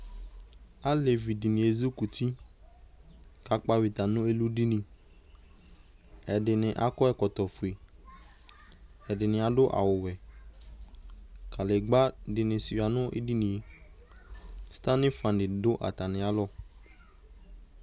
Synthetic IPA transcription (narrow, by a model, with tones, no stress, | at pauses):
a˦le˨vi˨dɪ˨nɪ̃˨e˨zu˦ku˨ti˦ | ka˨k͡pa˦wi˨t̪a˨nʊ̃˦e˦lu˦di˦nĩ˨ | ɛ˨dɪ˨nɪ̃˨ʔa˨kɔ˦ɛ˦kɔ˨t̪ɔ˨fu˨e˨ | ɛ˨dɪ˨nɪ̃˨a˨dʊ˦ʔa̰˨wʊ˨wɛ˨ | ka˨lɪ˨ɡ͡ba˦dɪ˨nɪ̃˨si˨a˨nʊ̃˦ʔɪ̰˦di˦nɪ̃˨e˨ | st̪a˦nɪ̃˦fã˨ndɪ˨dʊ˦ʔa̰˨t̪a˨nɪ̃˨a˨˦lɔ˦